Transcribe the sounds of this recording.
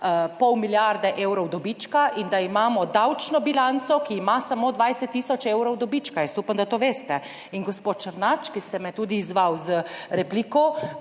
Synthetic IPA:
pɔwmiljaɾd̪ɛʔewɾɔwd̪ɔbit͡ʃkaʔind̪aimaːmɔd̪awt͡ʃnɔbilant̪sɔkiːmasamod̪ʋajsɛt̪ːiːsɔt͡ʃewɾɔwd̪ɔbit͡ʃkajɛst̪uːpamd̪at̪oːʋeːst̪ɛ | inɡospoːt̪̚t͡ʃəɾnat͡ʃkist̪ɛmɛt̪ud̪iːzʋawzəɾɛplikɔ

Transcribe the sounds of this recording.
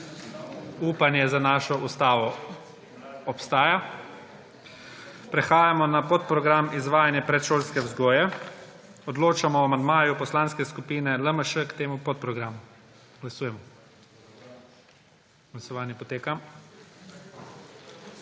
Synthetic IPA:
uːpanjɛzanaːʃɔʔust̪aːʋɔ | ɔpst̪aːja | pɾɛxaːjamɔnapot̪̚pɾɔɡɾamizʋaːjanjɛpɾɛt̪ʃoːlskɛwzɡɔːjɛ | ɔd̪loːt͡ʃamɔamand̪maːjupɔslanskɛskupiːnɛləməʃəkt̪eːmupɔt̪̚pɾɔɡɾaːmu | ɡ̥lasuːjɛmɔ | ɡ̥lasɔʋaːnjɛpɔt̪eːkam

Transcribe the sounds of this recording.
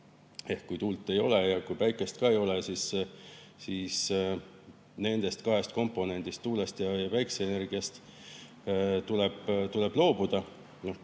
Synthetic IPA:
e̞hkkujt̪uːlt̪ːˑe̞jo̞le̞jɑkujpæjkːˑe̞st̪̚kɑe̞jo̞lesis | siːs | ne̞nd̪̥e̞st̪kɑɦest̪ko̞mpːˑo̞ne̞nʲd̪̥ist̪ːuːlest̪jɑjɑvæjkseeːne̞rɡ̥iɑst̪ | t̪uleb̥t̪ule̞b̥lo̞ːb̥ud̪̥ɑ | noh

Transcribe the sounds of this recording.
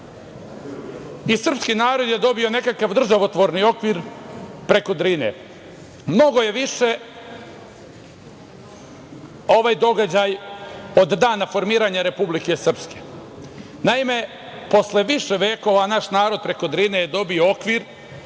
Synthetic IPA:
isr̩pskiːnaːɾo̞d̪je̞d̪o̞bio̞ne̞kakaʋd̪r̩ʒaʋot̪ʋoɾnio̞kʋiːɾpɾe̞ko̞d̪ɾinḛ | mno̞ɡo̞jeʋiʃe̞ | o̞ʋaːjd̪o̞ɡad͡ʑajo̞d̪d̪aːnafo̞ɾmiːɾaɲaɾe̞publike̞sr̩pske̥ | naime̞ | po̞sle̞ʋiʃeʋe̞ːko̞ʋanaʃnaːɾo̞d̪̚pɾe̞ko̞d̪ɾinejed̪o̞biookʋiɾ

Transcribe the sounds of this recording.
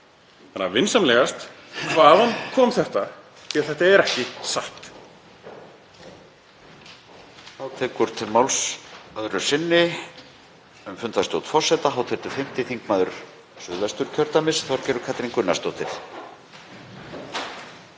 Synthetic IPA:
θanːavɪnsamlɛɣast̪kʰvaːðankʰɔːmθɛht̪a | ɛɾθɛht̪aɛɾɛhcɪsaht̪ | hawt̪ʰɛːkʏɾ̥t̪ʰɪlmawlsœðɾʏɾ̥sɪnːɪ | ɛmfʏnt̪θast̪owt̪fɔr̥sɛt̪aɦawt̪ʰɛt̪ʏfɪm̥t̪ɪθiŋkmaːðʏɾ̥ | sʏðvɛst̪ʏɾ̥cʰœɾt̪amɪsθaɾcɛːɾʏɾkʰat̪ɾiŋkʏnːast̪oːwt̪ʰɪɾ̥

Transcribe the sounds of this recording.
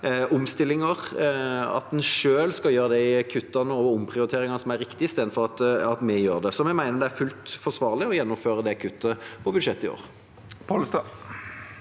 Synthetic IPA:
ʔʊmst̪ɪlːɪŋəʁ | ɑ̰t̪̚d̪ɛnʂøːlskɑjøːɾəd̪ækʰʉt̪ːɑnəɔʋʊmːpʰɾɪʊɾɪt̪ʰeːɾɪŋɑsɔmæɾːɪkt̪ɪɪst̪eːd̪n̩fɔɾɑt̪ɑt̪mɛjøːɾd̪ɛsɔmɛɡmæɪnəɾd̪ɛæɾfʉlt̪fɔsʋɑːʁlɪɔjɛnːʊmføːɾəd̪ɛkʰʉt̪ːəpʰɔbʉd̪ʂɛt̪ːɪo̰ːɾ | pʰolst̪ɑ

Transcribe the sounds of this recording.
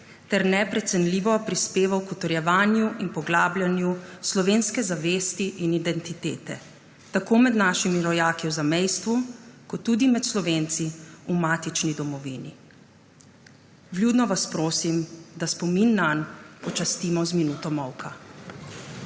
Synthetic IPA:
t̪ɛɾnɛpɾɛt̪sɛnliʋɔpɾispeːʋawkut̪ɔɾjɛʋaːnjuʔinpɔɡlaːblʲjanjuslɔʋeːnskɛzaʋeːst̪iʔinid̪ɛnt̪it̪eːt̪ɛ̰ | t̪akoːmɛd̪naːʃimiɾɔjaːkiwzamɛjst̪ʋukɔt̪ːud̪imɛt̪slɔʋeːnt̪siumaːt̪it͡ʃnid̪ɔmɔʋiːnḭ | bljuːd̪nɔʋaspɾoːsimd̪aspɔminːanpɔt͡ʃast̪iːmɔzminuːt̪ɔmɔwkʰa

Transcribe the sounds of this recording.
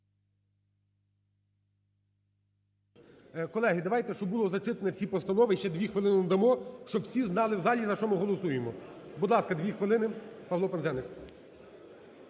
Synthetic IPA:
kɔlˠɛɦɪd̪ɐʋɑjt̪ɛʃt͡ʃɔbulˠɔzɐt͡ʃɪt̪enɛwsʲipɔst̪ɐnɔʋɪʃt͡ʃɛd̪ʋʲixʋɪlˠɪnɪd̪ɐmɔʃt͡ʃɔbwsʲiznɑlˠɪwzɑlʲizɐʃt͡ʃɔmɪɦɔlˠɔsujemɔbud̪lˠɑskɐd̪ʋʲixʋɪlˠɪnɪpɐʋlˠɔpenzɛnɪk

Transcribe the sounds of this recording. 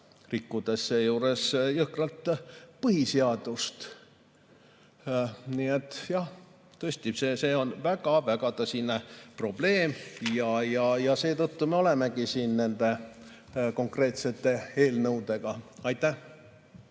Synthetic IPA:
rikːud̪̥e̞sːejuːɾe̞sjɯhkrɑlt̪pɤhiseɑd̪̥ust̪ | niet̪ːˑjɑh | t̪ɤesʲt̪isese̞ːo̞nvæɡ̥ɑvæɡ̥ɑd̪ɑsinepro̞b̥le̞ːmjɑjɑjɑse̞ːt̪ɤt̪ːume̞o̞le̞me̞ɡisiːnne̞nd̪e̞ | ko̞ŋkre̞ːt̪se̞t̪ːe̞eːlnɤwd̪̥e̞ɡ̥ɑɑjt̪ːˑæh

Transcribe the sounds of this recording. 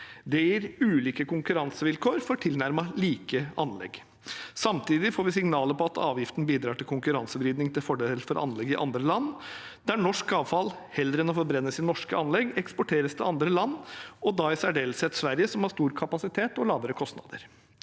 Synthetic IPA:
d̪ɛjiːɾʉːliːkəkʊŋkʉɾɑnsəʋɪlkʰoːɾfɔʈʰɪlnæɾmɑliːkəɑ̰nlɛ̰ɡ | sɑmt̪ʰiːd̪ɪfoːɾʋɪsɪŋnɑːləpɔɑt̪ʰɑ̰ːʋjɪft̪n̩biːd̪ɾɑːʈɪlkʰʊŋkʉɾɑnsəbɾiːd̪nɪŋt̪ʰɪlfɔɖeːllfɔɾʔɑ̰nlɛɡɪʔɑ̰nd̪ɾəlɑnːd̪æɳɔʂkɑːʋfɑl | hɛld̪ɾɛnɔfɔɾbɾɛnːəsɪt̪nɔʂkəɑnlɛɡɛkspɔʈʰeːɾəst̪ʰɪlɑnd̪ɾəlɑnːɔd̪ɑɪsæɖeːlsɛt̪sʋæɾjəsɔmhɑʂst̪uːɾkʰɑpɑsɪt̪ʰeːt̪ɔlɑːʋəɾəkʰɔst̪nɑ̰d̪əɾ

